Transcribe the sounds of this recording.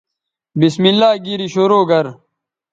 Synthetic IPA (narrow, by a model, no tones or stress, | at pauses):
bismilːaːɡiɾiɕoɾoːɡɐɾ